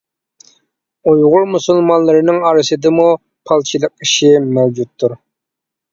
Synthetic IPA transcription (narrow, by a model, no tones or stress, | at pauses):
ujʁʊɾmusɨlˠmɑnlˠɨɾɨnɨŋɑɾɨsɨd̪ɨmu | pʰɑlˠt͡ʃʰilˠəq̚iʃɪmɛwd͡ʒut̪ʰːuɾ